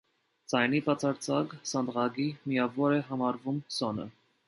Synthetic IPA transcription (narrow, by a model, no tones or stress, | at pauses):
t͡sɑjnipɑt͡sʰɑɾt͡sʰɑɡsɑnd̪ʁɑɡimijɑvɔɾɛɦɑmɑɾvumsɔnə̰